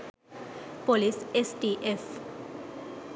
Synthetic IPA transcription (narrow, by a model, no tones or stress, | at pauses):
polisesʈiʔef